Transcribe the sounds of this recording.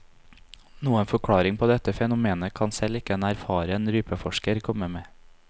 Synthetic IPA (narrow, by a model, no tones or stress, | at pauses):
nuːənfɔkʰɽɑːɾɪŋpʰoːd̪ɛt̪əfɛnʊmeːnəkʰɑnsɛlɪkəɛnæɾfɑːɾəɛnɾyːpəfɔʃkəɾkʰɔməmeː